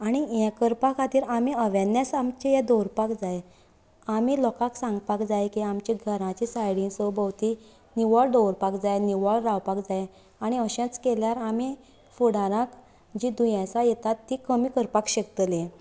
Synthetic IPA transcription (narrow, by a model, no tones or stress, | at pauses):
aɽ̃ijɛ̃kəɾpakat̪iːɾamiəʋãnjasamt͡ɕejad̪ɔwɾpakd͡zaj | amilɔkaksãŋɡpakd͡zajkiamt͡ɕiɡʱəɾãt͡ɕisajɽĩɡsəbəwt̪i | niʋɔɭd̪ɔwɾpakd͡zajniʋəɭɾawpakd͡zaj | aɽ̃iəɕɛ̃t͡skeljaɾami | fuɽaɾãk | d͡ʑid̪ujãsajɛt̪at̪ːikəmiːkəɾpakɕekt̪le